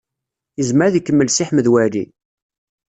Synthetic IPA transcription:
əzmæɾðikːəmːəlsiħməðwælḭ

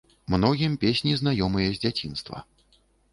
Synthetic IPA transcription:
mnɔɣʲimpʲesʲnʲiznajɔmɨjɐzʲd͡zʲat͡sʲin̪st̪vɐ̰

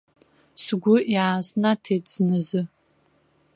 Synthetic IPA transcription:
sɡʷʊjaːsnatʰetʰʼz̥nɨzɨ

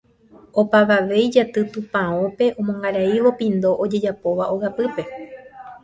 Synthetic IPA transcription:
o̞paʋaʋe̞jd͡ʒat̪ɨt̪ũpãõpe̞ʔõ̞mõŋɡaɾaiʋo̞pĩnd̪o̞ʔod͡ʒe̞d͡ʒapo̞ʋaʔo̞ɣapɨpe̞

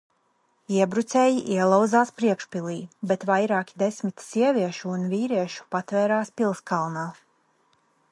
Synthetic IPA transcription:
iɛbɾut̪sɛːjiʔiɛlˠaw̪zaːspɾiɛkʃpʲilˠiːbet̪vajɾaːkʲi̥d̪esʲmʲit̪sʲiɛvʲiɛʃuːnvʲiːɾiɛʃu̥pat̪vɛːɾaːspʲilˠskalˠnaː

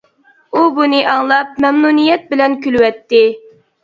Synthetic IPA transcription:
ubunɨʔɑŋlˠɑp̚mɛmnunijɛt̪̚bɪlɛnkʲylwɛt̪ːɪ

